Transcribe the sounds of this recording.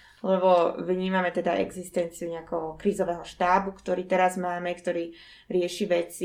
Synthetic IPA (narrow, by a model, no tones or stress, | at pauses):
lɛbɔʋɲiːmamɛt̪ɛd̪aʔɛ̰ɡzist̪ɛnt͡siuɲɛakɛɦɔkɾiːzɔʋɛːɦɔʃt̪aːbukt̪ɔɾiːt̪ɛɾazmaːmɛkt̪ɔɾiː | ɾɪɛʃiʋɛt͡si